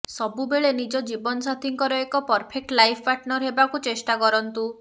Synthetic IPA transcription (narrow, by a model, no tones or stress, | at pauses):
sɔbubeɭenid͡ʒɔd͡ʒibɔnɔsat̪ʰiŋkɔɾɔekɔpɔɾpʰek̚ʈlajpʰɔpaʈnɔɾɦebakut͡ʃesʈakɔɾɔnt̪u